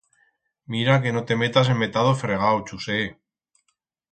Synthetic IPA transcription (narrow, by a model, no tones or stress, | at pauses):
miɾake̞no̞t̪e̞me̞t̪as̬emme̞t̪að̞ofɾeɣ̞awt͡ʃuse